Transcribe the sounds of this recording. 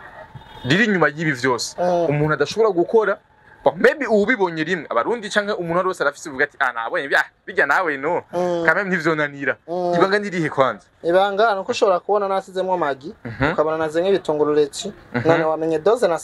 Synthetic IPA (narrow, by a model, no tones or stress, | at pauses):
diɾiɲumajiβivjo̞ːse̥umuːnhuadaʃoβoɾaɡukoɾa | bamebiuβiβoɲeɾimŋea̰βaɾuːndit͡ʃaːŋ̥heumuːnhuaɾiwoːsadafisevuɡatia̰na̰βoeβiaβiɡanawenokamenivjonaniɾaiβaːŋɡandiɾihekwaːnziniβaːŋɡanokuʃoβoɾakuβo̞nanasizemwamaɡiɦukaβonanazeŋeβitoːŋɡoɾulecinanowameɲedozena